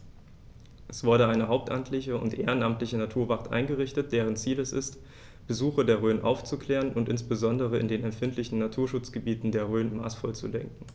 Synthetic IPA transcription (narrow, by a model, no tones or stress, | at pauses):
ʔɛsv̥ʊɐɾəʔaɪnəɦaʊp̚tʔamtʰlɪçəʊ̰ntʔeːʁənʔamtlɪçənatʰuːɐvaʁtʔa̰ɪnɡəʁɪçtət̚d̥eːʁ̞ənt͡siːlɛsɪ̰st | b̥əzuːxɐdeːɐʁøːnʔa̰ʊft͡sukʰl̥ɛːʁənʔʊntʔɪnsb̥əzɔndəʁ̞əɪ̰ndeːnɛmfɪntʰlɪçn̩natʰuːɐʃʊt͡sɡ̥əbiːtn̩deːɐʁøːnma̰ːsfɔlt͡sṵdɛ̰ŋkŋ̩